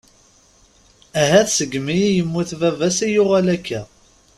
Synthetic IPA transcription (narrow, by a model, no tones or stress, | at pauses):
æɦæθsəɡmijijəmːuθvævæsijʊʁælækʰːæ